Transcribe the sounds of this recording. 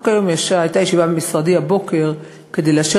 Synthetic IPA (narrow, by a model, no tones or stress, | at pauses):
kajo̞mjaʃaajt̪ajeʃivabemisʁadiabo̞ke̞ʁ | ked̪ejleaʃe